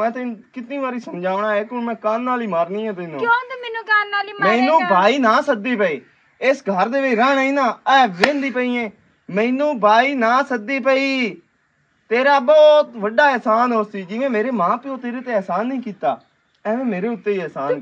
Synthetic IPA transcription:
ɛ̃ːt̪ekɪt̪niːʋaːɾiːsəmd͡ʒaːʋɳãːɛːkɪʊnmɛ̃ːkaːnːaːliːmaːɾnĩːɛ̃ːt̪ɪːnũːɛːnːaaːmmɛ̃ːnũːbʱaːiːnãːsəd̪iːpəiː | ɪsɡʱəɾd̪eːʋeɾəːɳĩːnãːɛːʋẽːnd̪iːpəiːẽː | mɛ̃ːnũːbʱaːiːnãːsəd̪iːpəiː | t̪eːɾaːbɔːt̪ʋəɖaːɛːsaːnoːsiːd͡ʒɪːẽːmeːɾeːmãːpɪõːt̪eːɾeːt̪eːɛːsaːnːĩːkiːt̪aː | ɛ̃ːʋẽːmeːɾeːʊt̪ːeːiːɛːsaːn

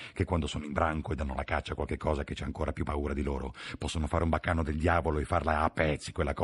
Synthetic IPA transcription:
kekːwand̪osoːnoimbɾʔaŋkoed̪anːolakat͡ʃːakwalkekːɔːzaket͡ʃːaaŋkoːɾapjupːauːɾad̪iloːɾopɔsːonofaːɾeumbakːaːnod̪eld̪jaːvoloefːarlaːpːɛt̪sːi̥kwelːakɔ

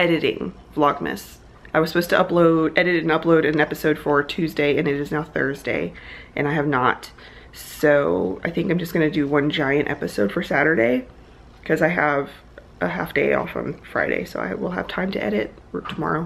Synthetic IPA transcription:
ɛɾɨɾɪ̰̃ŋ | v̥lɑɡ̚mɨ̰s | aɪwʌz̥səpoʊz̥tʰɨʔʌploʊɾɛɾɨɾɨ̃n̩ʌploʊɾɨ̃nɛpɨsoʊd̥fə˞tʰʉzdeɪɨ̃nɨɾɨznaʊθɜ̰˞zdḛɪʔɨ̃ñaɪɨvnət | soʊa̰ɪθɪ̃ŋkãmd͡ʒʌsɡ̥ʌnɨdɨwʌ̃nd͡ʒaɪɨ̃ntɛ̰pɨsoʊd̥fə˞sæɾə˞ɾeɪ | kʰʌzaɪəv | ʔə̰ɦæ̰fd̥eɪɔ̰fə̰̃ɱfɹa̰ɪɾḛɪsoʊa̰ɪwɪ̰lˠə̰v̥tʰãɪ̃mtʰɨ̰ʔɛɾɪt̚ | tʰəmɑ̰ɹoʊ

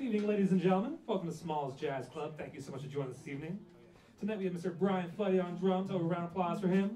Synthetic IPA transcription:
ivnɪ̃ŋleɪɾizɨ̃nd͡ʒɛ̃nt̩ˡˠmə̃nfɔlˠfə̃mðəsmɔlˠəsd̥ʒ̥æz̥kʰl̥ʌb̥̚θæ̃ŋkjɨsoʊmʌt͡ʃɨd͡ʒɔ̃ɪ̃ŋðɪ̥sivnɪ̃ŋ | tʰɨnaɪt̚wiɨvmɪstə˞bɹaɪɨ̃nflʌɾiə̃ndɹʌ̃moʊvə˞ɹãʊ̃nəpʰl̥aɪz̥fə˞ɪ̃m

